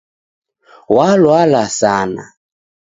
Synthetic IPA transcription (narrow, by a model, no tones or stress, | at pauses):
walwalasana̰